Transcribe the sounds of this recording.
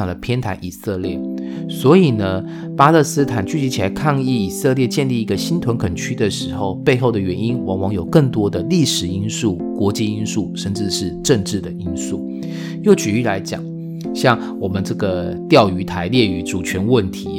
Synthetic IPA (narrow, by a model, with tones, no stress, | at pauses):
ŋlə˦pʰjɛ˥nt̪ʰa˧˥ɪʔi˨˩sə˥˧ljɛ˥˩swɔ˧˥i˨˩nə˦ | pa˥lə˥˧˩sɹ̩˥t̪ʰa˨˩nt͡ɕy˥˩t͡ɕi˧˥t͡ɕʰi˨la˨˧˥ɪkʰɑ˥˧ŋi˥˩i˨˩sɤ˥˧ljɛ˥˧t͡ɕjɛ˥˧nli˥˩i˧˥ɡə˧ɕi˥nt̪ʰwə˧˥nkʰə˨˩nt͡ɕʰy˥d̪ə˨ʂɻ̩˧˥xo˥˧ʊpe˥˧ɪxo˥˩ʊd̪ə˩ɥɛ˧˥ni˦˥nwɑ˧˥ŋwɑ˧˥ŋjo˨˩ʊkə˥˩ŋt̪wɔ˥d̪ə˨li˥˩ʂɻ̩˨˩i˥nsu˥˩ | kwɔ˧˥t͡ɕi˥˧i˥nsu˥˩ʂə˥˧nʈ͡ʂɻ̩˥˧ʂɻ̩˥˧ʈ͡ʂə˥˧ŋʈ͡ʂɻ̩˥˩d̪ə˩i˥nsu˥˩ | jo˥˩ʊt͡ɕy˨˩y˥˩la˧˥ɪt͡ɕjɑ̰˨˩˦ŋ | ɕjɑ˥˩ŋ | wɔ˨˩mə˦nʈ͡ʂɤ˥˩ɡə˩t̪jɑ˥˩ʊy˧˥t̪ʰa˧˥ɪljɛ˥˩y˧˥ʈ͡ʂu˨˩t͡ɕʰɥɛ˧˥nwə˥˩nt̪ʰi˧˥